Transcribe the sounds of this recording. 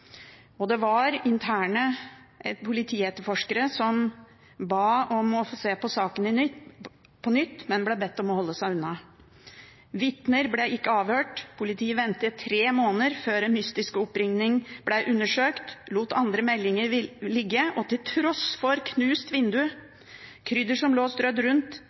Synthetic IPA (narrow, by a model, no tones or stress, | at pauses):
ɔd̪ɛʋɑɾɪnt̪ʰæːɳə | ʔɛpʰʊlɪt̪ʰiːɛt̪ːəɾfɔʂkəɾəsɔm | bɑːɔmɔseːpɔsɑːkənɪnʏ | pʰɔnʏt̪ːmɛnblɛbɛt̪ːɔmɔhɔlːəsæɪʉnːɑ | ʋɪt̪nəɾblɛɪkːəɑːʋhøːʈpʰʊlɪt̪ʰiːəʋɛnt̪ət̪ʰɾeːmoːnəɾføːɾɛnmʏst̪ɪskəɔpːɾɪŋnɪŋb̥læʔʉnːəʂøːkt̪luːt̪ɑnd̪ɾəmɛlːɪŋəɾlɪɡːəɔt̪ʰɪlt̪ʰɾɔsfɔɾkʰnʉːst̪ʋɪnd̪ʉ | kʰɾʏd̪əʂɔmloːsd̪ɾœd̪ɾʉnt̪